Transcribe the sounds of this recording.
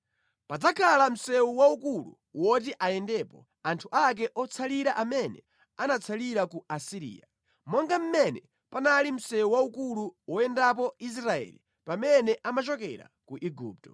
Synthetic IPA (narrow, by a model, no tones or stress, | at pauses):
pad͡zakʰalam̩sɛuwaukulṵ | wɔt̬iʔajɛndɛːpɔ | antʰuʔak̬ɛʔɔt͡sʰaliɾaʔamɛnɛ̰ | anat͡sʰaliɾakuasiɾḭːja̰ | mɔŋɡam̩mɛnɛ | panalim̩sɛuwaukuluwɔɛndap̬ɔis̬ɾaɛ̰lḭ | pamɛnɛʔamat͡ʃɔkɛɾa̰kuʔiɡṵːp̚tɔ